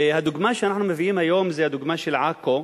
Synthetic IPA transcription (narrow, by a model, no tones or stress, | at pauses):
had̪ʊɡmaːʃhanaħnumɪvʔiːmhajoːmzajhad̪ʊɡmaʃɪlʕaːkːo